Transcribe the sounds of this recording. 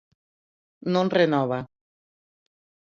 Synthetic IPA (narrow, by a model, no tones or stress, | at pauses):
nonrenɔβa